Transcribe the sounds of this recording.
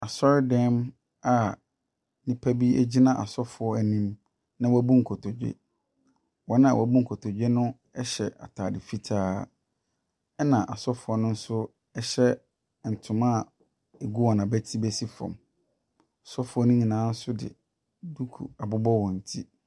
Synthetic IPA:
a˨sɔ˦ɾɪ˦dɛ̃˦m | a˨ | nĩ˦pʰæ˦bi˦æ̰˦d͡ʑi˦nã˦˨ʔa̰˨sɔ˦fʊ˨ɔ˦æ˨nĩ˦m | nã˦wɔ˦bũ˦ŋ̩˨kʰɔ˨tʰɔ˨d͡ʑᶣɛ̰˦˨ | wɔ̃˨˦ñ˦ã̰˨wɔ̰˨bũ˦ŋ̩˨kʰɔ˨tʰɔ˨d͡ʑᶣɛ˦nʊ̃˦ | ɛ˦ɕɛ̰˨ʔa̰˨tʰaː˨dɪ˨fi˦tʰaː˦ | ɛ˦nã˨ʔa˨sɔ˦fʊ˨˦ɔ˦nʊ̃˦n̩˦sʊ˦ | ɛ˦ɕɛ˦˨ | n̩˨tʰʊ̃˨mã˦˨ | e˨ɡu˦wɔ˨nã˨bæ˦tʰi˦bɛ˦si˦fɔ̰̃˨m | a˨sɔ˦fʊ˨˦ɔ˦nʊ̃˦ɲĩ˨nãː˨˦n̩˦sʊ˦dɪ̰˨ | du˦kʰṵ˨a˨bʊ˦bɔ˦wɔ̃˨n̩˨tʰi˦

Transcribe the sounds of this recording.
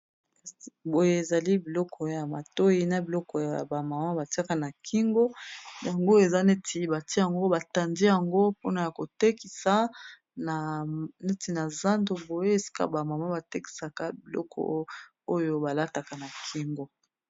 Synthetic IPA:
bo˨je˦e˨za˨li˦bi˨lɔ˦kɔ˦˨˦o˦ja˨ma˨to˦ji˦na˨bi˨lɔ˦kɔ˨ja̰˨ba˨ma˨ma˦ba˨ti˦a˦ka˨na˨kʰi˦ŋɡo˦ja˨ŋɡo˦e˨za˦ne˦tʰi˦ba˨ti˦ja˨ŋɡo˦ba˨ta˨ndi˦ja˨ŋɡo˦po˦na˨ja˨ko˨te˦ki˨sa˦ | na˨ne˦ti˨na˨za˦ndo˦bo˨je˦e˨si̥˦ka̰˦ba˨ma˨ma˦ba˨te˦ki̥˨sa˨ka˦bi˨lɔ̰˦kʰɔ̰˦ | o˦jo˦ba˨la˦ta˨ka˨na˨kʰi˦ŋɡo˦

